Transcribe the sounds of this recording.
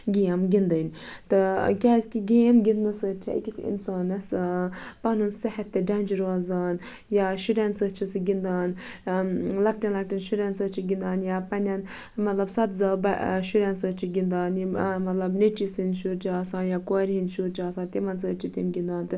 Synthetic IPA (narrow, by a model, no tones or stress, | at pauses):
ɡʲijɐmɡʲind̪ɐnʲt̪ɨkʲaːzʲkʲiɡemɡʲinnɨsəɾt͡ʃʰḭḭkʲisḭnsaːnɐspɐnunsɐhɐt̚t̪ːeɖɐnʲd͡ʒiɾoːzaːn | jaʃuɾʲansət͡ʃʰisɨɡʲind̪aːn | lɐk̚ʈʲɐnlɐk̚ʈʲinʃuɾʲansət͡ʃʰiɡʲind̪aːnjapɐnʲɐn | mɐt̪lɐbsɐt̪zaːbɐʃuɾʲansəːt͡ʃʰiɡʲind̪aːnmɐt̪lɐbnet͡ʃisinʃuɾt͡ʃʰiaːsaːnjakoːɾʲɦinʃuɾt͡ʃʰaːsãːt̪ʲimɐnsəːt͡ʃʰit̪imɡʲind̪aːnt̪ɨ